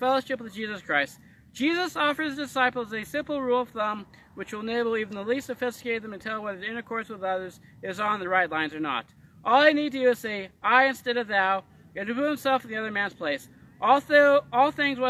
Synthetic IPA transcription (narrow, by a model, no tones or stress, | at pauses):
fɛlˠoʊʃɨpwəðd͡ʒizəskʰɹ̥aɪst | d̥ʒ̥izəsɔfə˞zdɨsaɪpl̩ˠzɨsɪ̃mpl̩ˠɹulˠʌv̥θʌ̃m | wɨt͡ʃwəlˠneɪbl̩ˠivn̩ðəlistsɨfɪstɨ̥keɪt̪̚ðɨ̃mɨ̃ntʰɛlˠwʌɾɨɾɪ̃ɾ̃ə˞kʰɔɹswəðʌðə˞z | ɪzn̩ðɨɹaɪtˡlãɪ̃nzə˞nə̰ɾ | ʔɔlˠaɪnid̚tɨdɨseɪaɪɨ̃nstɛɾʌvðaʊ | ɨ̃ɨpuɨ̃msɛlˠfənðiʌðə˞mæ̃nz̥pʰl̥eɪs | ʔɔɔlˠθɪ̃ŋzwʌ